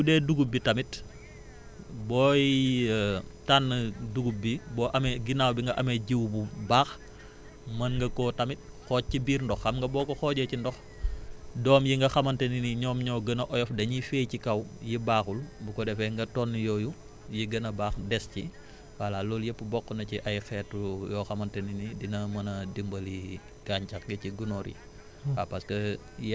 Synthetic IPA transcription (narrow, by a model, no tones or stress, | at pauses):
judɛduɡubitɐmit | bɔːji | tanːɐduɡubibɔːʔɐmɡinaːwbiŋɡɐʔɐmɛɟiwbubaːx | mɐnŋɡɐkɔtɐmit̚ | xɔːc̚ːibiːɾndɔxɐmŋɡɐbɔːkɔxɔːɟɛcindɔx | dɔːmjiŋɡɐxɐmɐntɛniniɲɔːmɲɔːɡɐnɐʔɔjɔfdɐɲifɛːjcikɐwjibaːxulbukɔdɛfɛŋɡɐtɔnːijɔːju | jiɡɐnɐbaːxdɛsci | wɐlalɔːljɛpːəbɔkːənɐciʔɐjxɛːtujɔːxɐmɐntɐninidinɐmɐnɐdimbɐli | ɡ̥aːɲcɐxɡɐciɡunɔɾḭ | apɐskɐ | j